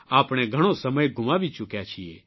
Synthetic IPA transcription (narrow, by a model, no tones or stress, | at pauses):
aːpɽ̃ɛɡʱɐɽ̃õsɐməjɡʱʊ̃mãbʱit͡ʃʊkjat͡ʃʰijḛː